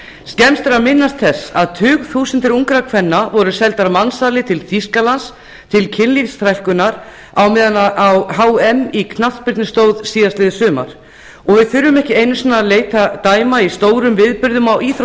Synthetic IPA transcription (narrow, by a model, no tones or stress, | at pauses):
scɛmst̪ɛɾamɪnːast̪θɛsa̰ðt̪ʰʏːɣθuːsʏnt̪ɪɾuŋkɾakʰvɛnːavɔɾʏsɛlt̪aɾamansalɪt̪ʰɪlθiskalans | t̪ʰɪlcʰɪnlifst̪ʰɾajl̥kʏnaɾ | awmɪːðanaawɦaːwɛnːikʰnapɪɾt̪nɪst̪owðsiːðast̪ɪjðɪsʏːma̰ɾ̥ | ɔɣvɪðθfʏɾːʏmɛhcɪejnʏsiːnːaleːjt̪at̪aːjmaist̪oːwɾʏmvɪðpʏɾðʏmawiːθ